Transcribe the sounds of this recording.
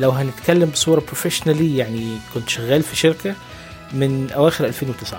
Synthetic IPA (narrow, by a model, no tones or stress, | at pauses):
læwɦænɪt̪kælːæmbɪsˤuːɾˤɑpɾofeʃnælijaʕnikʊnt̪ʃæɣæːlfiʃɪɾkæ | mɪnʔæwæːxɪɾʔælfeːnwet̪ɪsʕa